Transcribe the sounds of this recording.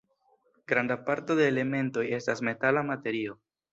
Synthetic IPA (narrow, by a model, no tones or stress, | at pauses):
ɡ̥ɾandapaɾto̞de̞ːle̞me̞nto̞je̞stasme̞talamate̞ɾio̞